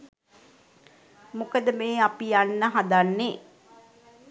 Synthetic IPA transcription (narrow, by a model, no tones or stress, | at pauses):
mukəd̪əmeːapijanːəɦad̪anːe